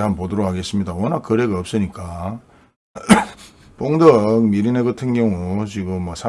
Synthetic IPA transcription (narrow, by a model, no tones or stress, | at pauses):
anpodoɾoɦaɡe̞s͈ɯmɲidawʌnak̚kɯɾe̞ɡaʌp̚s͈ɯɲik͈a | p͈oŋdʌk̚miɾineɡɯtʰɯnɡjʌŋut͡ɕiɡɯmːwʌsʰa